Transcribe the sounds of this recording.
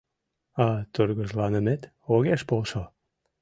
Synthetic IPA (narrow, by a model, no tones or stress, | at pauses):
ɑt̪ørɣəʒlɑnəmet̪ | oɣeʃpolʃo